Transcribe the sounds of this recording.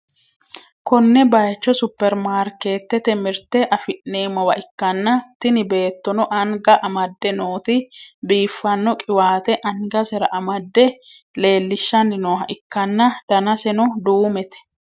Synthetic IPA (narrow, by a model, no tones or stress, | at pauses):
kɔnːɛbɐjt͡ʃːɔsʊpːɛɾmaːɾke̞ːt̪ːɛt̪ɛmɪɾt̪ɛʔɐfɪʔne̞ːmɔwɐʔɪkːɐnːɐt̪ːɪnɪbe̞ːt̪ːɔnɔʔɐŋɡɐʔɐmɐd̪ːɛnoːt̪ɪbiːfːɐnːɔkʼɪwaːt̪ɛʔɐŋɡɐsɛɾɐʔɐmɐd̪ːɛ | le̞ːlːɪʃːɐnːɪnoːɦɐʔɪkːɐnːɐd̪̥ɐnɐsɛnɔd̪uːmɛt̪ɛ̥